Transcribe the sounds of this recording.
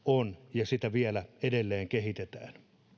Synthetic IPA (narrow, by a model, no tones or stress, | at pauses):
onjɑsit̪æʋielæedelːeːŋkehit̪et̪æ̰ːn